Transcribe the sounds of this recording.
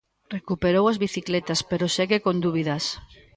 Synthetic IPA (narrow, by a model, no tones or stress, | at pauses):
rekupeɾowɐzβiθiklet̪aspeɾoseɣekond̪uβiðɐs